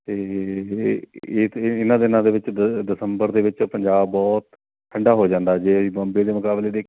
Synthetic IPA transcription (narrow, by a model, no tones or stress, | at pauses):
t̪eː | ɪnãːd̪ɪnãːd̪eːʋɪt͡ʃd̪ɪsəmbəɾd̪eːʋɪt͡ʃpəɲd͡ʒaːbbɔːt̪ | ʈʰəɳɖaːɦoːd͡ʒãːnd̪aːɛd͡ʒeːəsiːbɔ̃ːmbeːd̪eːmʊkaːbleːd̪eː